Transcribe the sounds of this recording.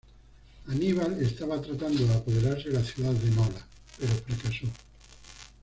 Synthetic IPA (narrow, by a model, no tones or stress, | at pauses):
aniβ̞alest̪aβat̪ɾat̪and̪oðapoð̞eɾaɾselaθjuðaðd̪enola | peɾofɾakaso